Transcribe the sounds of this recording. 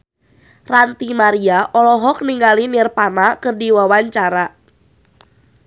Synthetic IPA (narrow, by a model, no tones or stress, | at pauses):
rant̪imaɾiaʔɔlɔɦɔk̚niŋɡalinirpanakɨrdiwawaɲt͡ʃaɾa